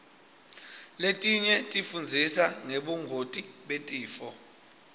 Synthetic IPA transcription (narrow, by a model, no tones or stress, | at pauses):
letʼiɲɛtʼifund͡zʱisaŋeɓuŋɡʱotʼiɓetʼiːfɔ